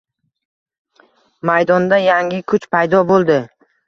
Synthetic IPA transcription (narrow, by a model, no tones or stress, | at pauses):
majd̪ɒnd̪ajaŋʲɪkʰʊt͡ʃpʰajd̪ɒbolˠd̪ɪ